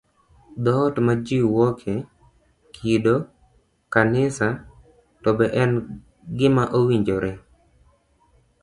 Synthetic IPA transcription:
d̪ɔtmad͡ʒiwɔkʰe | kʰido | kanɪsa | tɔbɛʔɛn | ɡɪmaʔowiɲd͡ʒoɾɛ

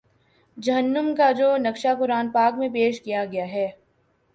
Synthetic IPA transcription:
d͡ʒɐɦənːəmkad͡ʒoːnɐkʃapʊɾaːnpaːkmẽpeːʃkijaɡɐjaɦɛː

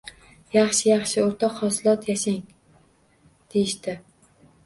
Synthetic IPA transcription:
jɑχʃɪjɑχʃɪoɾt̪ʰɒqhɒsɪlˠɒt̪ʰjaʃaŋ | d̪̥ejɪʃt̪ɪ

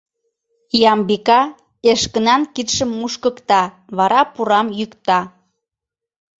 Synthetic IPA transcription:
jɑmbikɑ | eʃkənɑnkit̪ʃəmːuʃkəkt̪ɑ | βɑɾɑpuɾɑmjykt̪ɑ

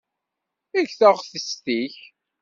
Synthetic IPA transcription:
æʝθəʁθəst̪iç

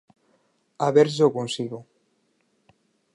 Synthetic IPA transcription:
aβeɾʒokonsiɣo

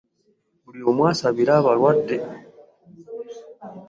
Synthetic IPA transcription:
uɾiomwasaβiɾaβaɾwadːɛ

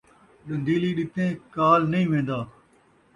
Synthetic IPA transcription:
ɗɐ̃nd̪ʱiːliːɗɪt̪ʰẽːkaːlnɐĩːʋẽːnd̪aː

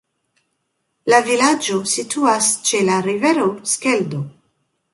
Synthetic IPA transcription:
lavilad͡ʒo̞sitʰuast͡ʃe̞laɾive̞ɾo̞ske̞ldo

